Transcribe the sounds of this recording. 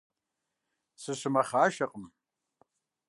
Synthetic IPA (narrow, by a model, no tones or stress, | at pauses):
sɨʃʷɨmaχaːʃaqʼm